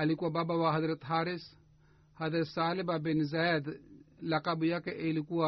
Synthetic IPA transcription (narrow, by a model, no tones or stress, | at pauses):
ɐlikuababawaɦɐd̪ɾɐt̪ɦaːɾis | hɐd̪ɾɐt̪saːlibabinzad̪lɐqabujakeʔelikua